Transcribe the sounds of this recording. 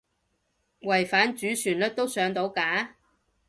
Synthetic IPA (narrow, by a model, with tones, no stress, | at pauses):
wɐ˨˩jfaː˨˥nt͡ʃyː˨˥syː˨˩nlɵ˥t̚t̪o˥wsœː˨˧ŋt̪o˨˥wkaː˨˥